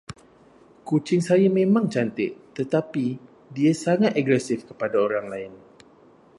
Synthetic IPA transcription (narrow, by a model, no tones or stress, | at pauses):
kut͡ʃɪŋsajamẽmãŋt͡ʃant̪ɪʔt̪ət̪api | diasaŋat̪aɡɾɛsɪfkəpadaoɾaŋlaɪn